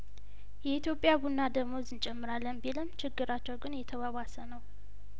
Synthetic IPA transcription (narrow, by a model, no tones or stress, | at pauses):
jɛit̪ʰjo̞pʼjabunːad̪əɡmo̞zɨnt͡ʃʼɛmːɨɾalːənbilɨmt͡ʃʰɪɡːɨɾat͡ʃːɛwɡɨnjɛt̪ʰəwawasənəw